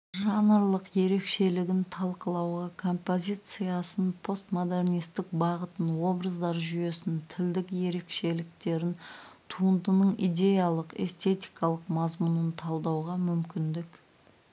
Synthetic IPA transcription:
ʒɑnəɾlˠəqje̞ɾe̞kʃe̞lɪɡʲɪnt̪ʰɑlˠqəlˠɑwʁɑkʰo̞mpo̞zʲit̪sɨjasənpʰo̞st̪mo̞d̪e̞rnijst̪ɪk̚bɑʁət̪ənwo̞bɾəzd̪ɑɾʒyje̞sɪnt̪ʰɪld̪ɪkje̞ɾe̞kʃe̞lɪk̚t̪e̞ɾɪnt̪ʰuənd̪ənəɴḭd̪ʲe̞jalˠəqe̞̰st̪e̞t̪ʲijkɑlˠəqmɑzmunənt̪ʰɑlˠd̪ɑwʁɑmʏmkʲɪnd̪ɪk

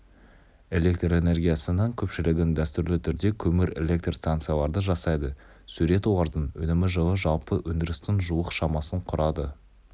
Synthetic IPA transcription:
e̞lʲe̞kt̪re̞ne̞rɡʲijasənəɴkʲʰɵpʃɪlɪɡʲɪnd̪æst̪ʏɾlɪt̪ʰʏɾd̪e̞kʲʰɵmɪɾe̞lʲe̞k̚t̪rst̪ant̪sɨjalˠɑɾd̪əʒɑsɑjd̪ə | sʉɾe̞t̪oɑɾd̪ənwɵ̰nɪmɪʒəlˠəʒɑlˠpəwɵnd̪ɪɾɪst̪ɪnʒuwəqʃɑmɑsəɴqʰʊɾɑd̪ə

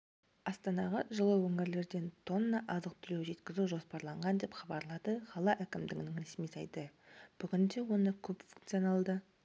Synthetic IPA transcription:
ɑst̪ɑnɑʁɑ̰ʒəlˠəwɵŋɪɾle̞ɾd̪e̞nt̪ʰo̞nːɑʔɑzəq̚t̪ʰʏlewʒe̞t̪kʲɪzuʒo̞spɑɾlˠɑɴʁɑnd̪e̞pχɑbɑɾlˠɑd̪əχɑlˠɑʔækʲɪmd̪ɪɡʲɪnɪŋɾesmijsɑjd̪əb̥ʏɡʲɪnd̪e̞wo̞nəkʲʰɵpfuŋkt̪sijonɑlˠd̪ə

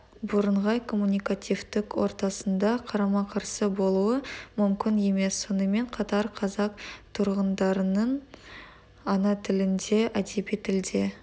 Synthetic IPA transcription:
bʊɾəɴʁɑjkʰo̞mːunʲijkat̪ʲijft̪ɪkwo̞̰ɾt̪ɑsənd̪ɑqʰɑɾɑmɑqʰɑɾsəbo̞lˠuəmʏmkʲɪnje̞me̞sːo̞nəme̞ɴqʰɑt̪ɑɾqʰɑzɑqt̪ʰʊɾʁənd̪ɑɾənəɴ | ɑnɑt̪ʰɪlɪnd̪e̞ʔæd̪ebijt̪ʰɪld̪e̞

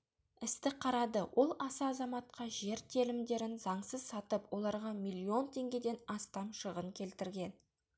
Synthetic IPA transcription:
ɪst̪ɪqʰɑɾɑd̪əwʔo̞lˠɑsɑːzɑmɑt̪̚qɑʒe̞ɾt̪ʰelɪmd̪e̞ɾɪnzɑɴsəzsɑt̪əpwo̞lˠɑɾʁɑmilʲˠːio̞nt̪ʲʰe̞ŋɡʲe̞d̪e̞nɑst̪ɑmʃəʁəŋkʲʰe̞lt̪ɪɾɡʲe̞n

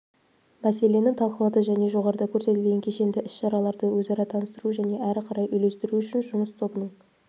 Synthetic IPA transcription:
mæse̞le̞nɪt̪ʰɑlˠqəlˠɑd̪əʒæne̞ʒo̞ʁɑɾəd̪ɑkʲʰɵɾse̞t̪ɪlɡʲeŋkʲʰe̞ʃe̞nd̪ɪʔɪsʃɑɾɑlˠɑɾd̪əwɵzɑɾɑt̪ʰɑnəst̪əɾuʒæne̞ʔæɾɪqʰɑɾɑjʏjle̞st̪ɪɾuʏʃɪnʒʊməst̪ʰo̞bənəɴ

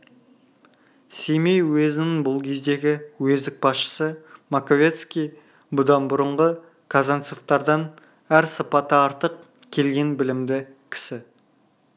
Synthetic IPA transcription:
se̞jmejwezɪnɪŋbʊlˠkʲʰe̞zd̪e̞ɡʲɪwɵzd̪ɪk̚bɑsʃə̥səmakovʲe̞t̪skʲij | bʊd̪ɑnbʊɾəɴʁə | kʰazant̪soft̪ɑɾd̪ɑn | æɾsəpɑt̪əɑɾt̪əq | kʲʰe̞lɡʲe̞nbɪlɪmd̪ɪkʲʰɪ̥sɪ

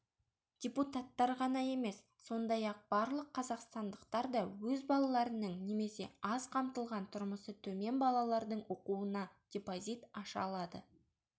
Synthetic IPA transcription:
d̪̥ʲeput̪at̪ːɑɾʁɑnɑje̞me̞sːo̞nd̪ɑjɑq̚b̥ɑɾlˠəqʰːɑzɑqst̪ɑnd̪əqt̪ɑɾd̪ɑwɵzbɑlˠɑlˠɑɾənəɴne̞me̞se̞̰ɑzqʰɑmt̪əlˠʁɑnt̪ʰʊɾməsət̪ʰɵme̞nbɑlˠɑlˠɑɾd̪əɴwo̞quənɑd̥ʲepozit̪ɑʃɑlˠɑd̪ə

